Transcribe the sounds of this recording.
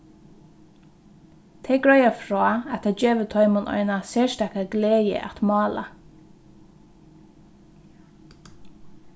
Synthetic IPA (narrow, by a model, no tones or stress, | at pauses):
t̪ʰɛɡɹœjafɾɔːɛt̪ad͡ʒeːʋət̪ʰɔʏmʊnɔ̰ʏnasɛːʃt̪ækaɡleːjə̰ʔa̰t̪mɑːla̰